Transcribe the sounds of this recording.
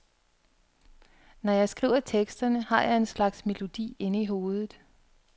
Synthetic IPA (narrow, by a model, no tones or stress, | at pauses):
nɒjɑ̈ɪsɡ̥ʁḭːʊ̰ɐt͡sʰeɡ̥sd̥ɐnəhɑ̈jɑ̈ɪe̝nslɑ̈ɡ̥sme̝lo̝d̥ḭːe̝nəiɦo̝ːð̞ˠð̩ˠ